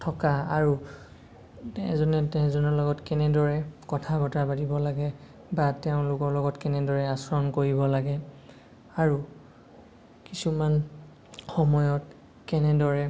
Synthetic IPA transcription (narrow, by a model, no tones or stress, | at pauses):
tʰɔkaaɹu | ɛzɔnɛtɛzɔnɔlɔɡɔtkɛnɛdɔɹɛkɔtʰabɔtabadibɔlaɡɛ | batɛʊ̃lʊkɔɹlɔɡɔtkɛnɛdɔɹɛasɔɹɔnkoɹibɔlaɡɛ | aɹu | kisuman | xɔmɔjɔt | kɛnɛdɔɹɛ